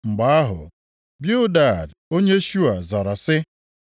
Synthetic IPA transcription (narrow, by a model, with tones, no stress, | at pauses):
ŋ͡m̩˨ɡ͡ba˨˦a˦ɦʊ̰˨ | bjʊ˦da˦˨d | o˦ɲe˦ʃu˦a˨za˨ɾa˨sɪ˦